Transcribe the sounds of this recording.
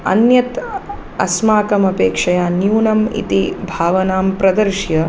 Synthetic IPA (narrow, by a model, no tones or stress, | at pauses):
ɐ̰njɐt̪ | ɐ̰smaːkɐmɐpeːkʂɐjaːnjuːnɐmḭt̪ibʱaːʋɐnaːmpɾɐd̪ɐɾʃjɐ